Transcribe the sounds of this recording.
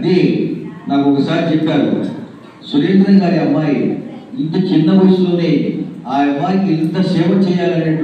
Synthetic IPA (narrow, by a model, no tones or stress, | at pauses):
ɐd̪inaːkuɔkːɐsaːɾit͡ʃɛpːaːɾṵ | suɾeːnd̪ɾɐŋɡaːɾiɐmːaːjiint̪ɐt͡ʃinːɐʋɐsloːneːaːɐmːaːjikilint̪ɐsɛːʋɐt͡ʃɛːjaːlɐneʈ